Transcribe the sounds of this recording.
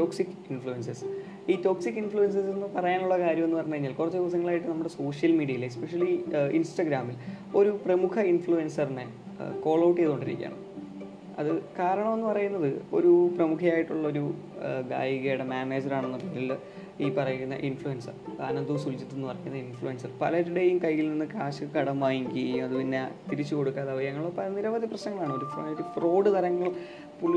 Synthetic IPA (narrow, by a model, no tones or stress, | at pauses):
toːksikːinfɭujenses | iːto̞ːksikːinfɭuens̬ɐsenːɨpɐrɐjaːnuɭːɐkaːɾjɐme̞nːɨpɐrɐɲːukɐɾiɲːaːlkurɐt͡ɕːeðiʋɐs̬ɐŋːɐɭaːjiʈːɨnɐmːuɽe̞so̞ːʂjɐlmiːɽiɐilespeʂɐliinsʈɐɡɾaːmil | o̞ɾuprɐmukʰɐinfɭuensɐrine̞ | ko̞ːɭɐwʈːijeðoɳɖiɾikʲːa̰ːm | ɐ̰ðɨkaːɾɐɳɐmo̞nːɨpɐrɐjunːɐðɨo̞̰ɾuprɐmukʰɐjaːjiʈːuɭːɐo̞ɾu | ɡa̰ːjiɣejɽemjaːne̞ːd͡ʑɐɾaːɳenːɐpiŋil | iːpɐrɐjiunːɐ̰ʔinfɭujensɐ̰rɐ̰nɐnd̪uʋsult͡ɕit̪ːunːupɐrɐɲːunːɐinfɭujensɐrpɐlɐɾuɽejumkɐjːilninːɨkaːɕɨkɐɽɐmːaːjiŋkʲijumɐðɨpinːet̪iɾit͡ɕːuko̞ɽukːaːðaʋɐɐŋːɐɭopɐlɐniɾɐʋɐd̪ʱiprɐɕnɐŋːɐɭaːɳɨo̞ɾufɐɾufro̞ːɖɨt̪ɐɾɐŋːɐɭ | puɭ